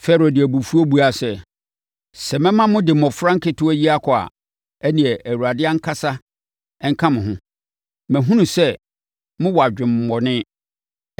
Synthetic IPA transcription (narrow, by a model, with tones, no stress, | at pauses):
fɛ˦ɾo˨dɪ˨æ˨bu˨fu˦o˦bu˦a˨sɛ˨ | sɛ˨mɛ̃˦mã˦mʊ̃˦dɪ˨m˨ɔ˨fɾã˦ŋ̩˦kɪ˦tʰʊ˦æ˦ji˦a˦kʰɔ˨a̰˨ | æ˦nĩ˨ɛ˨ʔæ˨wu˨a˨dɪ˦a˦ŋ̩˦kʰa˦sa˦ | ɛ˦ŋ̩˦kʰã˦mʊ̃˨ɦʊ̃˦ | mæ̃˨ɦũ˦nũ˨sɛ˦ | mʊ̃˦wɔ˨a˨d͡ʑᶣɪ̃˨m˨mɔ˨nɪ̃˦